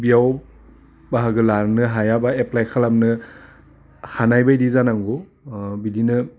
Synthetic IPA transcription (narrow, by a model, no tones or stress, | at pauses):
bijaw | baɦaɡɯlaɾnɯɦajabaeplajkʰalamnɯ | hanajbajdizanaŋɡu | bidinɯ